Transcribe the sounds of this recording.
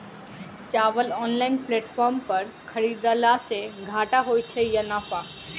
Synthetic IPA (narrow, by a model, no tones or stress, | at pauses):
t͡ʃaːʋəlɔːnlainpleːʈfʰɔːɾmpəɾ | kʰəɾid̪alaseɡʱaːʈaɦojt͡ʃʰejənaːfa